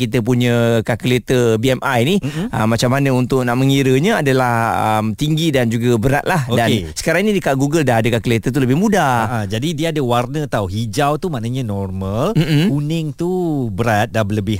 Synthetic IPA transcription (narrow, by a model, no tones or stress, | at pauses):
kit̪̬əp̬uɲə̃kakəlet̪əbiɛmʔajniʔəmːat͡ʃamːanəunt̪ʊʔ̚naʔməŋiɾəɲə̃adəlahəmt̪iŋɡidand͡ʒuɡabəɾa̰t̪̚lahodannsə̥kaɾaŋinidəkaɡuɡəldaɦadəkakəlet̪ət̪̬uləbɪhmũdad͡ʒadidiəadəwarnə̃t̪awɦid͡ʒawt̪umaʔnəɲə̃nɔrməlm̩munɪŋt̪ubəɾat̪̚dabələbɪ